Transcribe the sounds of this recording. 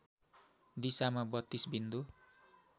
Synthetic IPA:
disamabɔt̪isbind̪u

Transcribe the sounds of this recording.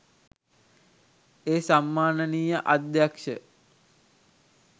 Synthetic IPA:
eːsamːaːnəniːjəʔad̪jakʂə

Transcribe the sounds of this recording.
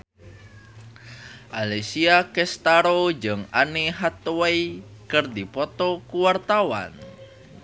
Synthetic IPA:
ʔalesiakɛst̪aɾod͡ʒɨŋaneɦat̪oejkərdipɔt̪ɔkuwart̪awa̰n

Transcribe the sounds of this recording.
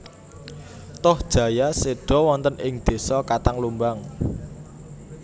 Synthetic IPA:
t̪ʊhd̥ʒ̥ä̤jaseɖ̥ɔ̤wɔnt̪ənʔɪŋd̪̥e̤sɔkat̪aŋlumbaŋ

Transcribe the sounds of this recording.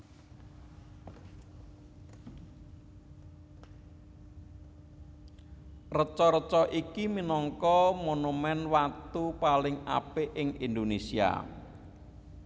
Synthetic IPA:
rət͡ʃɔɾət͡ʃɔʔikiminɔŋkɔmonumɛnwat̪upalɪŋa̰peʔɪŋind̪onesia̰

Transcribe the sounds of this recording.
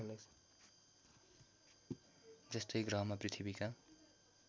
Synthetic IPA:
les | d͡zʌst̪ʌjɡrʌ̃ɦmaprit̪ʰibika

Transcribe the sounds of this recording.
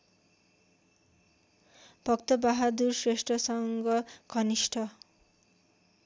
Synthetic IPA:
b̥ʱʌk̚t̪ʌbaɦad̪ursresʈrʌsʌŋɡʌɡʱʌnisʈʰʌ

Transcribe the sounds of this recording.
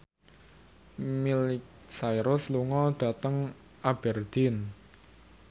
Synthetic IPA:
milɪk | sajɾʊsluŋɔɖ̥ä̤t̪əŋ | ab̥ɛrd̪̥in

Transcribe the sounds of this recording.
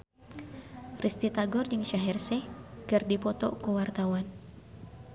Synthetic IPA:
rʔist̪it̪aɡɔrd͡ʒɨŋʃaɦɛrsɛkɨrdipɔt̪ɔ̰kuwart̪awan

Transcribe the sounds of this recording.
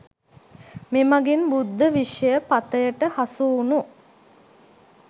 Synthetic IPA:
memaɡinbud̪ʱːəʋiʂəjəpat̪əjəʈəhasuːnu

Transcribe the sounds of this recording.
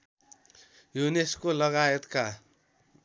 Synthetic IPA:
juneskolʌɣajet̪ka

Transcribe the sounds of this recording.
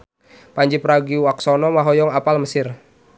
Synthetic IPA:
paɲd͡ʒipɾaɡiwaksɔnɔmaɦɔjɔŋapalməsɪr

